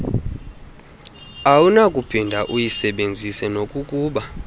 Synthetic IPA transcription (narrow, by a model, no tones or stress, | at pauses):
awunakʼupʰindʱaʔujisɛɓend͡zʱisɛnokʼukʼuːɓa